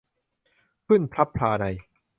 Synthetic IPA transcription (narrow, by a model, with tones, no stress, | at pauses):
pʰɯ˥˩npʰɾa˦˥pʰlaː˧da˧j